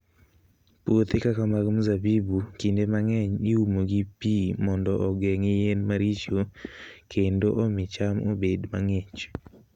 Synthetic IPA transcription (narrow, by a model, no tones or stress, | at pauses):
pot̪ɪkakamaɡmuzabibukindemaŋɛɲɪumoɡipimɔndɔʔɔɡɛŋɪjenmaɾit͡ʃokʰendoʔɔmɪt͡ʃamo̰bedmaŋet͡ʃ